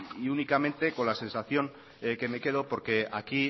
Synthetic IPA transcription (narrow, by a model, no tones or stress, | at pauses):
iunikamẽ̞nt̪e̞ko̞nlase̞nsaθjo̞ŋ | ke̞me̞ke̞ð̞o̞po̞ɾke̞aki